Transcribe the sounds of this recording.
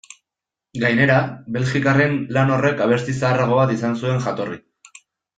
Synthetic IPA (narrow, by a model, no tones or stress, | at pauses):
ɡajne̞ɾaβe̞lʝikare̞nlano̞re̞kaβ̞e̞st̪isaːraɣ̞o̞βat̪isansue̞ŋʝat̪o̞ri